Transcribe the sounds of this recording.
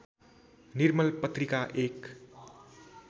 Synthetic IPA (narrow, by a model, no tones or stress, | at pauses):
nirmʌlpʌt̪rikaʔek